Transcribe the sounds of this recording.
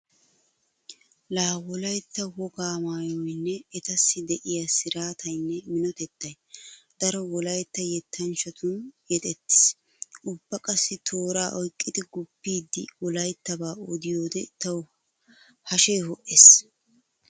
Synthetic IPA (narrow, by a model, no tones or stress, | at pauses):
laːwɔlɐjt̪ːɐwɔɡaːmaːjɔjnːɛːt̪ɐsːɪd̪ɛʔɪjasɪɾaːt̪ʰɐjnːɛmɪnɔt̪ɛt̪ːɐj | d̪̥ɐɾɔwɔlɐjt̪ːɐjɛt̪ʰːɐnt͡ʃɐt̪ʰʊnjɛt̪ʼɛt̪ːɪ̥s | ʔʊbːɐkʼɐsːɪt̪ʰoːɾaːʔɔjkʼːɪd̪ɪɡʊpːiːd̪ːɪ̰wɔlɐjt̪ːɐbaːɔd̪ɪjoːd̪ɛt̪ɐw | hɐʃejɦɔʔes